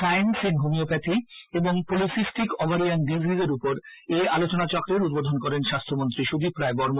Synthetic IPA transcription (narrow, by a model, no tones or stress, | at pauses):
sajnsenɦomiopɛt̪ʰieboŋpolisisʈikɔbaɾianɖizʱizeɾupoɾealot͡ɕonat͡ɕɔkɾeɾud̪̚bod̪ʱonkɔɾenʃast̪ʰomont̪ɾiʃubʱipɾaebɔɾmo